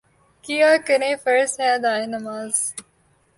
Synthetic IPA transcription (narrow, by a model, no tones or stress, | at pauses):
kijaːkəɾẽːfəɾsɛ̃ːd̪aːenɐmaːz